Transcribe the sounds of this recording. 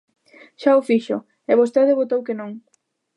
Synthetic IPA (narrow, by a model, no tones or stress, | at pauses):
ʃaofiʃʊ | eβost̪eðɪβot̪owkenõŋ